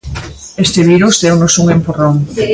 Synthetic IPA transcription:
est̪eβiɾusd̪ɛwnosuŋempuroŋ

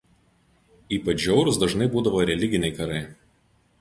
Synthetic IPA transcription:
iːpɐt͡ʃʲjʲɛʊɾʊsd̪ɐʒnɐɪbuːd̪ɐʋoːɾʲɛlʲɪɡʲɪnʲɛɪkɐɾɐɪ

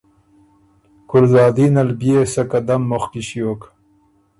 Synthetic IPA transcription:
kulzɑːd̪iːnɐlbijesɐkɐd̪ɐmːoxkiɕjoːk

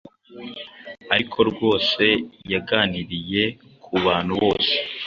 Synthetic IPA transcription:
aɾikʰo̞ɾɡwo̞ːse̞jaɡaːniɾije̞kʰuβaːn̥huβo̞ːse̥

